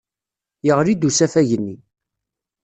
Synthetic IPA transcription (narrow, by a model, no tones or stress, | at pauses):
jəʁɾid̪usæfæʝənːi